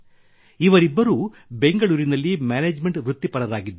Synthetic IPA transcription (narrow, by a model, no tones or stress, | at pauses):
iʋɐɾibːɐɾuː | be̞ŋɡɐɭuːɾinɐlːimaːneːd͡ʒme̞ɳʈʋɾut̪ːipɐɾɐd̪aːɡid̪ːu